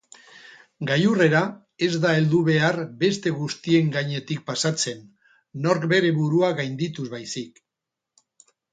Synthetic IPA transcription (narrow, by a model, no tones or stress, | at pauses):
ɡajure̞ɾa | e̞zd̪ae̞ld̪uβ̞e̞arbe̞st̪e̞ɣust̪ie̞ŋɡaɲe̞t̪ik̚pasat͡se̞nː | o̞ɾkbe̞ɾe̞βuɾuaɣajnd̪it̪uzβajsik